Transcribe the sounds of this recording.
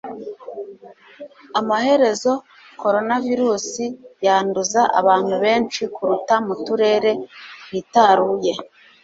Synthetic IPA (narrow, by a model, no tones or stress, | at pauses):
amahe̞ɾe̞zo̞ | ko̞ɾo̞naviɾuːsijaːnduzaʔa̰βaːn̥huβe̞ːnt͡ʃikuɾutamutuɾe̞ːɾe̞witaɾuːje̞